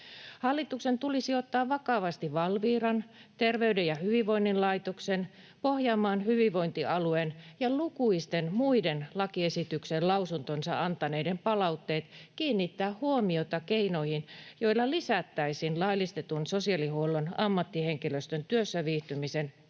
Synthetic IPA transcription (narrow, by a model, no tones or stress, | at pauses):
hɑlːit̪uksent̪ulisiot̪ːɑːʋʋɑkɑʋɑst̪iʋɑlʋiːrɑnt̪erʋeydejɑhyʋiʋʋoinːinlɑit̪oksen | pohjɑːmɑːnhyʋiʋʋo̞int̪iɑluenjɑlukuist̪enmuidenlɑkiesit̪yksenlɑusunt̪onsɑ̰ʔɑnt̪ɑneidempɑlɑut̪ːeːt̪kiːnːit̪ːæːhhuomiot̪ɑkeinoihinjo̞ilːɑlisæt̪ːæisinlɑilist̪et̪unsosiɑlihuolːonɑmːɑt̪ːiheŋkiløst̪ønt̪yøsːæʋiːht̪ymisen